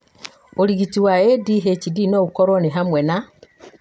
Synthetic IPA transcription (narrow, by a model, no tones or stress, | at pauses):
oɾiɣitiwaediɦet͡ʃidinoɣukoɾoneɦamwena